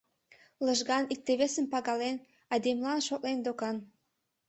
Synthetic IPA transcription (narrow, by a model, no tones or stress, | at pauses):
ləʒɣɑnik̚t̪eβesəmpɑɣɑlen | ɑd̪emlɑnʃok̪lend̪okɑn